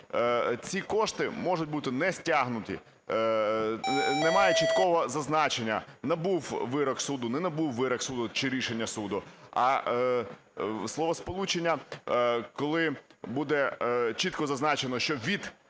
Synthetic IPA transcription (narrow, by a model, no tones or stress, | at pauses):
t͡sʲikɔʃt̪ɪmɔʒʊt̚ʲbut̪ɪnɛsʲtʲaɦnʊt̪ʲḭ | nɛmɑjɛt͡ʃit̪kɔʋɔzɐznɑt͡ʃe̞nʲːɐ̰nɐbuwʋɪɾɔksud̪ʊnɛnɐbuwʋɪɾɐksud̪ʊt͡ʃɪɾʲiʃenʲːɐsud̪ʊɐ | slˠɔʋɔspɔlˠut͡ʃenʲːɐ | kɔlˠɪbud̪ɛt͡ʃit̪kɔzɐznɑt͡ʃenɔʃt͡ʃɔʋʲid̪